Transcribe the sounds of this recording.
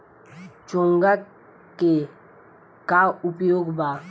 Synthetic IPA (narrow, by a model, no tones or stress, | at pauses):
t͡ʃõŋɡa | ke | kaupjoːɡba